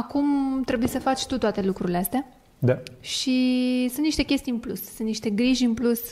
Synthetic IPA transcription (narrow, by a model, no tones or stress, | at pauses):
akumt̪ɾe̞bujesəfat͡ʃʲt̪ut̪oat̪e̞lukɾuɾileast̪ea | d̪aʃisɨnt̪niʃt̪e̞kʲe̞st̪ijɨnplussɨnt̪niʃt̪e̞ɡɾiʒɨnplus